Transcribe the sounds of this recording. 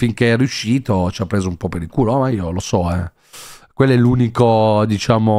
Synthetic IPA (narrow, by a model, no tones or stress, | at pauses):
fiŋkeɛrːjuʃːiːt̪ot͡ʃiapːɾeːzoumpɔpeɾikuːɾoɔmaiːolosɔɛ | kwelːoɛlːuːnikod̪it͡ʃaːmo